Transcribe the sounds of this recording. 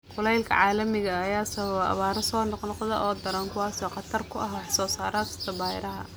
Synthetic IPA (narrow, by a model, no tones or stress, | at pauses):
qʊlɛjlkʰɐ̰ʕaːlɐmɪɣɐːjaːsɐβɐβɐ̰βaːɾɐsɔːnɔqnɔqðɐʔɔːd̪ɐɾɐŋkʰʊwɑːsɔːqɑt̪ʰɐrkʰʊʔɐɦħsɔːsaːɾaːkʰɐ̥st̪ʰɐbaːjɾɐɦɐ̰